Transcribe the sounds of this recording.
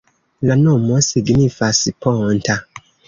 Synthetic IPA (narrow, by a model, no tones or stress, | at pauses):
nãnɔ̃mɔ̃seɡinĩfasipʰɔ̃n̩tʰa